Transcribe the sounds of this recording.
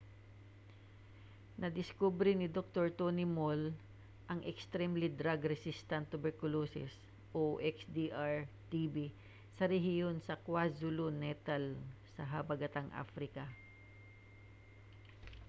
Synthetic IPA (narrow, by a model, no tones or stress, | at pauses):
nɐd̪ɪskubɾɪnɪd̪ok̚t̪oɹt̪onɪmol | ʔɐŋʔɛkst̪ɾɛmlid̪ɾaɡɾɛsist̪ɐnt̪ːʊbɛɹkʊloːsɪ̰s | ʔoʔɛksd̪iʔaɹt̪ibi | sɐɾɛɦɪjonsɐkwazʊlonɛt̪ɐlsɐɦɐbɐɡɐt̪aŋʔa̰fɾɪkɐ